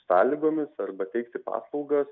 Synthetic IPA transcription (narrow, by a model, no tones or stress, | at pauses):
sɑːlʲiːɡoːmʲɪsɐɾbɐt̪ʲɛɪk̚t̪ʲɪpɑ̰ːslˠɒʊɡɐs